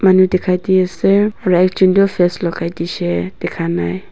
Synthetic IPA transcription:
manudɛkʰadiɛsɛɾaɛk̚t͡ʃundɔfɛslɔkajdiʃɛd̥ɛkʰanaj

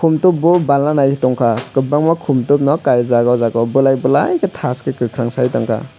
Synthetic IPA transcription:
kʰumtup̚bubalnanajkʰitɔŋkʰakɯbaŋmakʰumtup̚nɔkajzaɡazaɡɔwbɯlajbɯlajkɯtʰaskɯkɯkʰɾaŋsajtɔŋkʰa̰

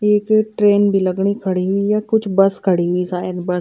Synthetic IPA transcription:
ekʈɾeːnbʱiːləɡɳ̃iːkʰəɽiːɦʊiːjaːkʊt͡ʃʰbəskʰəɽiːɦʊiːsaːjɪd̪bə

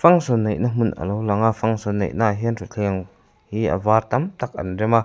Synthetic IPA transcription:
faŋsɔnːejnamunʔɐ̰lowlaŋafaŋsɔnːḛjʔnaɦinɾut͡ɬʰiŋ | hiə̰vaːɾt̪amt̪ak̚ɐ̰nrɛma

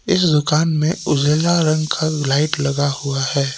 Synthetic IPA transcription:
ɪsd̪ʊkaːnmẽʊd͡ʒelaɾɐ̃ŋɡkʰalaːɪʈlɐɡahuahɛː

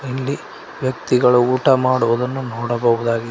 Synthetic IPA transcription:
ilːi | ʋjɐk̚t̪iɡɐɭuuːʈɐmaːɽuʋud̪ɐnːunɔːɽɐbɐʋud̪aːɡi

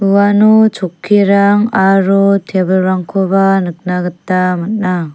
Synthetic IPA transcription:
uwanut͡ʃʰokʰːiɾaŋaɾutʰebɯlɾaŋkʰobanɯk̚naɡɯtːamɯt̚na

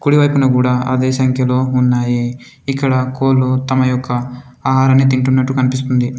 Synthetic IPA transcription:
kuɽiʋɐjpunɐkuːɽaːɐ̰d̪e̞ːsɐŋkʰjɐlo̞ːunːaːji | ikːɐɽɐko̞ːlːut̪ɐmɐjɔkːɐ | aːɦaːɾɐnːit̪̬iɳʈunːɐʈːukɐnipist̪und̪i

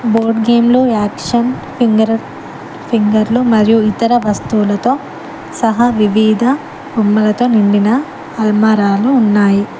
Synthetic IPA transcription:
boːɾɖɡe̞ːmloːaːkʂɐn | pʰiŋɡɐɾɐ | pʰiŋɡɐɾlumɐɾijuit̪ɐɾɐʋɐst̪uːlɐt̪o̞ː | sɐɦaʋiʋiːd̪ʱɐ | ɡumːɐlɐt̪o̞ːniɳɖinɐ | ɐlmɐɾaːluːnːaːji

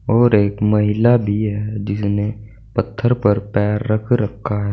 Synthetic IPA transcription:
ɔːɾeːkmɐɦɪlabʱiɦɛd͡ʒɪsne | pɐt̪ʰːəɾpɐɾpɛːɾːɐkʰɾɐkʰːaɦɛː

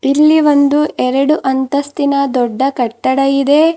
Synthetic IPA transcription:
ilːiʋo̞nd̪uʔɛɾɐɽuʔɐnt̪ɐst̪inɐd̪ɔɖːɐkɐʈːɐɽɐjid̪e̞

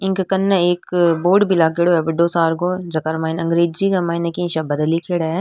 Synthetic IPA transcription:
ɪ̃ŋkkɐnːɐeːkboːɾɖbʱilaːɡeːɽoɛbɪɖoːsaːɾɡod͡ʒɐkaɾmaːɪnɐ̃ŋɡɾeːd͡ʒd͡ʒikɐmaːɪnɐkĩʃabɐd̪likʰeːɽaɛ

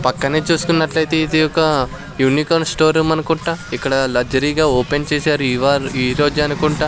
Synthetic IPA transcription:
pɐkːɐneːt͡ʃuːsu̥kunːɐʈlɐjt̪e̞id̪ijɔkːɐ | juːnikɐnsʈoːɾumɐnɐkuɳʈaːikːɐɽɐlɐɾd͡ʒɐɾiːɡaːoːpe̞nt͡ʃeːsaːɾuiʋaːɾiːɾoːd͡ʒɐnukuɳʈaː

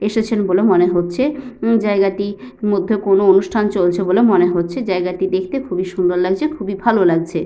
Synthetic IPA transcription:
eʃet͡ɕʰenbolemoneɦotːɕʰed͡ʑaeɡat̪i | mod̪ʱːekonoonuʃʈʰant͡ɕolt͡ɕʰebolemoneɦotːɕʰed͡ʑaeɡat̪id̪ekʰt̪ekʰubiʃund̪oɾlaɡt͡ɕʰekʰubibʱalolaɡ̚t͡ɕʰe

